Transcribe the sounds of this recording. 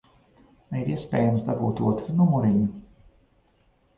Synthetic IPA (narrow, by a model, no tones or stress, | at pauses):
aiɾiɛspʲɛːjamsd̪abuːt̪uɔt̪ɾunumuɾiɲu